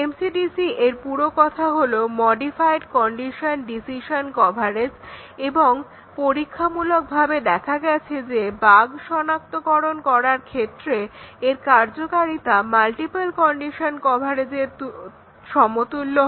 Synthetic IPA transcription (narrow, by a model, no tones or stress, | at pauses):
emsiɖisiʔeɾpuɾokɔt̪ʰaɦolomɔɖifajɖkɔɳɖiʃonɖisiʃonkɔbʱaɾes | eboŋ | poɾikʰːamulok̚bʱabed̪ɛkʰaɡɛt͡ɕʰed͡ʑebaɡʃɔnak̚t̪okɔɾonkɔɾaɾkʰet̪ːɾeeɾkaɾd͡ʑokaɾit̪amalʈipalkɔɳɖiʃonkɔbʱaɾed͡ʑeɾt̪ | ʃɔmot̪ulːo